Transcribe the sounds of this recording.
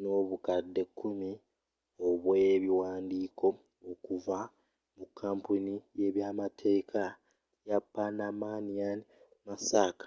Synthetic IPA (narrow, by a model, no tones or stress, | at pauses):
no̞ːβukadːe̞kʰːumi | oβweβiwaːndiːko̞ | okuva | mukʰːaːmpunije̞βjaːmatʰe̞ːkʰa | japːanamanijani | masakḁ